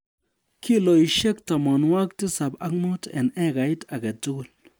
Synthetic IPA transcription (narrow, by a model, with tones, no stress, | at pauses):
kʰi˦lo˨i˨ʃɛ˦k̚ta˨mɔ˨nwa˦k̚tɪ˦sa˨ba˦kmo˦tɛ˨nɛ˦ka˨ɪ˦ta˨ɡɛ˨tʊ˦ɡʊ˦˨l